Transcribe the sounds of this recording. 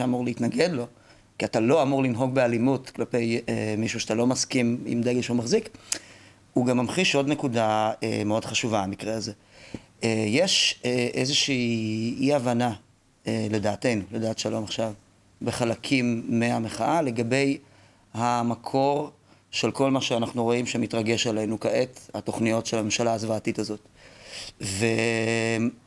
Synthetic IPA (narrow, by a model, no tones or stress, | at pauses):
eamuʁleitnaɡedlo̞ | kiatalo̞amuʁlinɦo̞ɡ̚bealimutklape̞jemiʃuʃatalo̞maskimḭmd̪eɡeʃeumaχzik | uɡamːamχiʃʔo̞dnekudaḛmeo̞d̥χaʃuvaamikʁeaze | ejeʃeʔezeʃiːiavana | ele̞daːte̞jnuledaːt̪ʃalo̞maχʃav | beχalakʰimːeameχaʔale̞ɡabe̞j | hamakʰo̞ʁ | ʃelko̞lmaʃeanaχnuʁo̞imʃemitʁaɡe̞ʃale̞nukaetato̞χnijo̞tʃelame̞mʃalaazvaːtitazo̞t | ve